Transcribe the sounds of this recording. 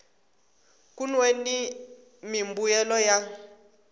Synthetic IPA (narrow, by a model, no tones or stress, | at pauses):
kunweni | mimbujɛlɔja